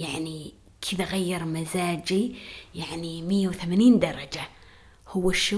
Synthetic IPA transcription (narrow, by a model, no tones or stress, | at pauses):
jaʕni | kʰɪðaɣajːɑɾˤmazaːd͡ʒijaʕnimɪjːawθamaːniːnd̪ɑɾˤɑd͡ʒa | hʊwːaʃː